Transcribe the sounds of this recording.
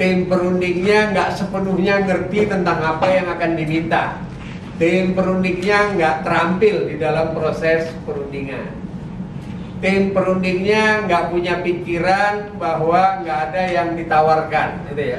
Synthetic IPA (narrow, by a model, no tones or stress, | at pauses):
t̪empəɾundɪŋɲaŋɡaʔsəpənuhɲaŋərt̪it̪ənt̪aŋapajaŋakandimint̪a̰ | t̪empəɾundɪŋɲaŋɡaʔt̪əɾampɪldidalampɾosɛspəɾundiŋa̰n | t̪ɪmpəɾundɪŋɲaŋɡaʔpuɲapikiɾanbaɦwaŋɡaʔːdajaŋdit̪awarkanit̪uja